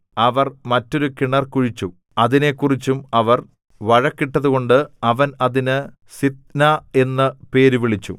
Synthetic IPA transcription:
ɐʋɐrmɐtːo̞ɾukiɳɐrkuɻit͡ɕːu | ɐðine̞kːurit͡ɕːumɐʋɐr | ʋɐɻɐkːiʈːɐðuɣo̞ɳɖɨɐʋɐnɐðinɨ | sit̪̚nae̞nːɐpe̞ːɾuʋiɭit͡ɕːṵ

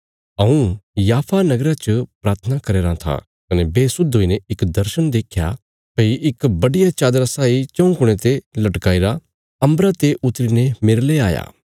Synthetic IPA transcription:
ɐũjaːpʰanɐɡɾat͡ʃəpɾaːɾt̪ʰənakɐɾeːɾãt̪ʰa̰ | kɐnebeːsʊd̪ʱɦoːineɪkd̪ɐɾʃənd̪eːkʰja̰ | peːiʔɪkbɐɽɪjat͡ʃaːd̪ɾasaːit͡ʃɐ̃ũkʊɽ̃et̪elɐʈkaːiɾa | ɐ̃mbɾat̪eʔʊt̪ɾinemɪɾlea̰ːja̰ː

